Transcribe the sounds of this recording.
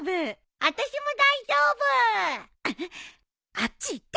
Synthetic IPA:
bɯ | at̪aɕimod̪aid͡ʑobɯ | at͡ɕ͈iːt̪ː

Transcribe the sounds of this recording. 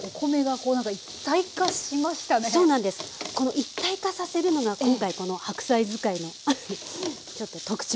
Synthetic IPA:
okʰo̞me̞ɡako̞ːnãŋkait̪ːaikaɕimaɕi̥t̪anesoːnãnd̪e̞sɨ̥ko̞no̞ʔit̪ːaikasase̞ɾɯ̟no̞ɡakõ̞ŋkaiko̞no̞hakɯ̟̥saizɨkaino̞ | t͡ɕo̞t̪ːo̞t̪o̞kɯ̟̥t͡ɕi

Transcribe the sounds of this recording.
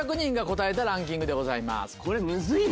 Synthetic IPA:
akɯ̟ɲ̟ĩŋɡako̞t̪ae̞t̪aɾãŋk̬ʲĩŋɡɯ̟d̪e̞ɡo̞zaima̰sɨ̥ko̞ɾemɯ̟zɨi

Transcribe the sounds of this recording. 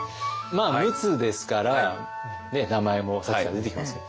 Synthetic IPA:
maːmɯ̟t͡sɨd̪e̞sɨ̥kaɾa | ne̞namae̞mo̞sakiɡad̪e̞t̪e̞kʲimasɨjo

